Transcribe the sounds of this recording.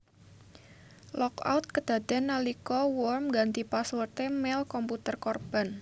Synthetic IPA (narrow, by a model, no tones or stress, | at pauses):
lɔka̰wt̪̚kəd̪̥a̤d̪̥anːalikɔwɔrmɡant̪ipaswərt̪emɛlkɔmput̪ərkɔrb̥an